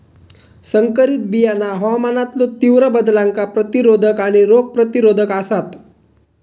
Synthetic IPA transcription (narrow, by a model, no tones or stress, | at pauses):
səŋkəɾit̪̚bijanaɦɔmanat̪lot̪iʋɾəbəd̪laŋkapɾət̪iɾod̪ʱəkaɽ̃iɾokɡ̚pɾət̪iɾod̪ʱəkasat̪